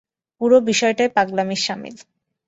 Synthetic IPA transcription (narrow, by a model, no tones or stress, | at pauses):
puɾobiʃɔeʈaepaɡlamiʃʃamḭl